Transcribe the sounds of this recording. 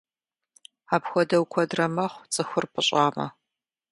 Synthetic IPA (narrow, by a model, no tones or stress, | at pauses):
aːpxʷɔdɐwkʷʰɔdrɐmɐχʷt͡sʼɨxʷʊrpʰʼɨɕʼaːmɐ̰